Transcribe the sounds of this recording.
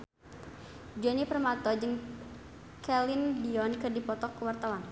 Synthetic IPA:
d͡ʒɔnipərmat̪ɔd͡ʒɨŋ | kɛlɪndiɔnkɨrdipɔt̪ɔkəwart̪awan

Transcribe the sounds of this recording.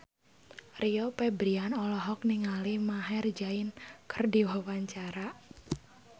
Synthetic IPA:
riɔpɛbɾianɔlɔɦɔkniŋalimaɦɛrd͡ʒaɪnkərdiwawaɲt͡ʃaɾa

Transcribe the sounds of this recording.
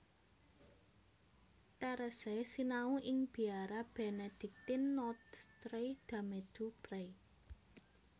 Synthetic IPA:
t̪ɛɾəsɛsinauʔɪŋb̥i̤aɾab̥eɛned̪̥ɪ̤k̚t̪ɪnːɔt̪st̪ɾed̪̥a̤med̪̥upɾe

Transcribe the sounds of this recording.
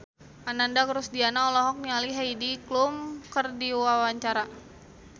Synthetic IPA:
ʔanandakəɾusdianaɔlɔɦɔk̚nialiɦaidiklumkərdiwawaɲt͡ʃaɾa

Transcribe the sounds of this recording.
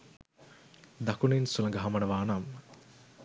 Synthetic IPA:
d̪ɐkuninsulɐŋɡɐɦɐmɐnɐʋaːnam

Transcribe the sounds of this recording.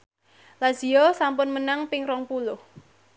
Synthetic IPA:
laz̥iɔsampʊnmənaŋpɪŋɾɔŋpulʊh

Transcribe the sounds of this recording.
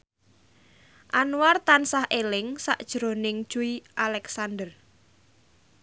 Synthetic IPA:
ʔanuwart̪ansahʔelɪŋsa̰ʔd̥ʒ̥ɾonɪŋd̥ʒ̥uiʔalɛksand̪ər

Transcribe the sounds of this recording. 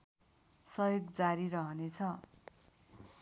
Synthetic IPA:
sʌjoɡd͡zaɾiɾʌɦʌnet͡sʰʌ

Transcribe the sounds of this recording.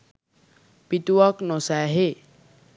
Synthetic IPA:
pit̪uwɔknɔsaɦe

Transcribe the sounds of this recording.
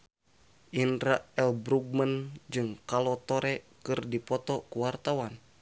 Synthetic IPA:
ʔinɾaʔɛlbɾuɡ̚mənd͡ʒɨŋkalɔt̪ɔɾɛ | kɨrdipɔt̪ɔkuwart̪awan

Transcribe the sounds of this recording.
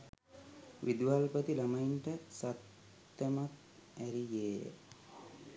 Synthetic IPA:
ʋʔid̪ʋalpət̪ilɐmɐinʈəsat̪ | jɐmat̪̚ | æɾijḛː

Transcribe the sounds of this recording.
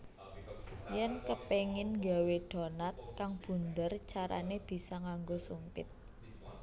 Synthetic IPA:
jɛnkəpeŋɪnɡaweɖ̥ɔ̤nat̪̚kaŋb̥ṳnd̪ərt͡ʃaɾa̰neb̥i̤saŋaŋɡosumpɪ̰t̪̚

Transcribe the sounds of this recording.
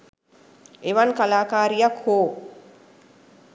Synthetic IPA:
eʋankalaːkaːɾijakhoː

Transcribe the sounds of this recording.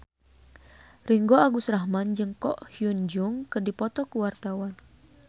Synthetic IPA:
riŋɡoaɡusraɦmand͡ʒɨŋkɔʔhiund͡ʒuŋkɨrdipɔt̪ɔkuwart̪awan

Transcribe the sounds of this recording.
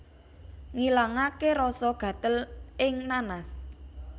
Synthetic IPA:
ŋilaŋakeɾɔsɔɡ̥ä̤t̪əlɪŋnanas

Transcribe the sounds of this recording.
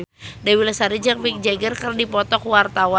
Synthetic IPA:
dawilasaɾid͡ʒaŋpik̚d͡ʒɛɡərkərdipɔt̪ɔk̚wart̪awa

